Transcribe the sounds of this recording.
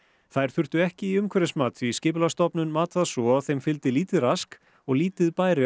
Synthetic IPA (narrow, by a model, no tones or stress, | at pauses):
θajɾ̥θʏr̥t̪ʏɛhcɪiʏmkʰvɛɾɪsmaːt̪iscɪːplast̪ɔpnʏnmaːt̪aðsɔaθejmfɪlt̪ɪliːt̪ɪðɾask | ɔɣliːt̪ɪðpaːjɾɪ